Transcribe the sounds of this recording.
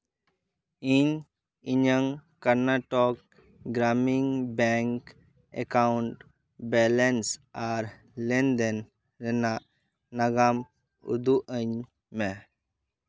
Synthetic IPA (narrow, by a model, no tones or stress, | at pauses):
iɲ | iɲəŋkəɾnaʈɔk̚ | ɡɾaːmiŋbɛŋk | ḛkauɳʈ | bɛlensaːɾ | lend̪en | ɾena | nɐɡam | ṵd̪uʔəɲ | me